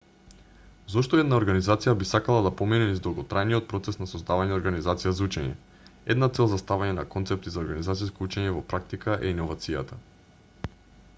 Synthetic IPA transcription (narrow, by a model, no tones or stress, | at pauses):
zɔʃt̪ɔɛd̪naoɾɡanizat̪sijabisakalˠad̪apominɛnizd̪lˠaɡot̪ɾajniot̪̚pɾɔt̪sɛsnasozd̪avaɲɛoɾɡanizat̪sijazaut͡ʃɛɲɛ̰ | ɛ̰d̪nat̪sɛlˠzast̪avaɲɛna̰kɔnt̪sɛp̚t̪izaoɾɡanizat̪siskout͡ʃɛɲɛvɔpɾak̚t̪ikaʔɛinovat̪sija̰t̪a